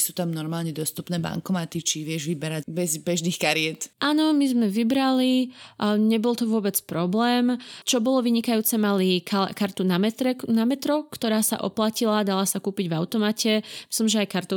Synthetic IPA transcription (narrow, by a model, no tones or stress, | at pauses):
suːt̪amnɔɾmaːlɲɛd̪ɔst̪upnɛːba̰ŋkɔmat̪it͡ʃiʋɪɛʒʋibɛɾabɛzbɛʒnixkaɾɪɛt̪ʔaːnɔmizmɛʋibɾali | ɲɛbɔlˠt̪ɔʋʊɔbɛt͡spɾɔblɛːmt͡ʃɔbɔlɔʋiɲikajuːt͡sɛmalikakaɾt̪unamɛt̪ɾɛnamɛt̪ɾɔkt̪ɔɾaːsa̰ʔɔ̰placilad̪alasakuːpiɟvaʊt̪ɔmacʰɛmislimʒɛajkaɾt̪u